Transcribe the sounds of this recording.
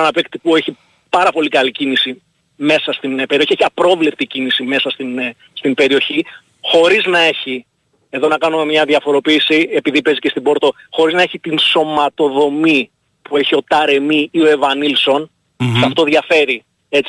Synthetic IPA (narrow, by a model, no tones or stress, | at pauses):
ɐnɐpekt̪ipue̞çi | pɐɾɐpo̞likɐlicinisi | me̞sɐst̪inpeɾioçieçiɐpɾo̞vle̞p̚t̪icinisime̞sɐst̪in | st̪imbe̞ɾio̞çi | xo̞ɾiznɐe̞çi | e̞ðo̞nɐkɐnume̞mɲɐðjɐfo̞ɾo̞piːsie̞piðipe̞zicest̪ibo̞ɾt̪o̞ | xo̞ɾiznɐe̞çit̪inso̞mɐt̪o̞ðo̞mi | pue̞çio̞t̪ɐɾe̞miio̞evɐnilso̞n | sɐft̪o̞ðʝɐfe̞ɾi | e̞t͡s